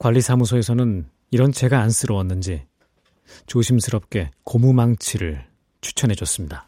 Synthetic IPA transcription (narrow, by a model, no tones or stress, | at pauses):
kwaʎːisʰamus̬ʰʌe̞sʰʌnɯn | iɾʌnt͡ɕe̞ɡaːns͈ɯɾʌwʌnːɯnd͡ʑi | t͡ɕoɕʰimsʰɯɾʌp̚k͈e̞komumaŋt͡ɕʰiɾɯɭ | t͡ɕʰu̥t͡ɕʰʌnɦe̞d͡ʑʌs͈ɯmɲida